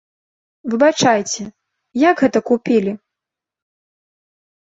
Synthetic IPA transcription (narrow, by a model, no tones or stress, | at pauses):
vɨbat͡ʂajt͡sʲɛ | jaɡɣɛt̪ɐkupʲilʲi